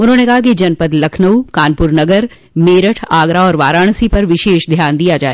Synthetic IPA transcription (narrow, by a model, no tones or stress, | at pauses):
ʊnɦõːnekɐɦak̬id͡ʒɐnpəd̪lɐkʰnəwkaːnpʊɾnɐɡəɾ | meːɾəʈʰaːɡɾaɔːɾʋaːɾaːɽ̃sipɐɾʋɪʃeːʃd̪ʱjaːnd̪ijad͡ʒaːe